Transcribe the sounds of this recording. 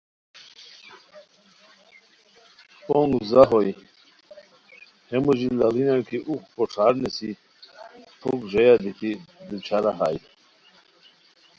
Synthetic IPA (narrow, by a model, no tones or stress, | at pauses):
oŋɡzaɦoj | hemuʑilalinakʰiʔuxpoʈ͡ʂʰaːɾnesi | t̪ʰokʐejad̪it̪ʰid̪ut͡ɕʰaɾaɦaːj